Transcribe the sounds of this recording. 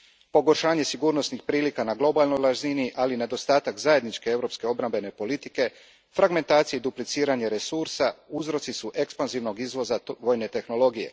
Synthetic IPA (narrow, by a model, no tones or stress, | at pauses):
po̞ɡo̞ɾʃaːɲe̞siɡuːɾno̞snixpɾiːlikanaɡlˠo̞balˠno̞jlaʒiniʔaline̞d̪o̞st̪aːt̪akzaje̞d̪nit͡ʃke̞e̞vɾo̞pske̞o̞bɾambe̞ne̞po̞lit̪i̥ke̞ | fɾaɡme̞nt̪aːt̪sijeid̪uplit̪siːɾaɲeɾe̞suɾsauzɾo̞t̪sisuʔe̞kspanziʋno̞ɡizʋo̞zaʋo̞ːjne̞t̪e̞xno̞lo̞ɡije̞̰